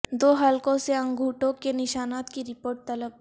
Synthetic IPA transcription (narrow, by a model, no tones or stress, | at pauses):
d̪oːɦalkõseɐ̃ŋɡʱuːʈõkenɪʃaːnaːt̪kiɾɪpoːɾʈ̚t̪ɐləb̚